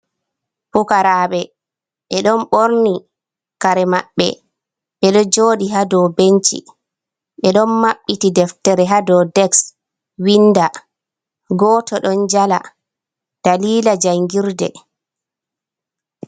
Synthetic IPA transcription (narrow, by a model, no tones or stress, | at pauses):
pukaɾaːɓɛ | ɓɛɗɔnɓoɾni | kaɾɛmaɓːɛ̰ | ɓɛɗɔd͡ʒoːɗiɦadɔbent͡ʃḭ | ɓɛɗɔnmaɓːitidɛftɛɾɛɦadɔdɛks | winda | ɡɔːtʰɔɗɔnd͡ʒala̰ | d̥aliːlad͡ʒajŋɡiɾdɛ̰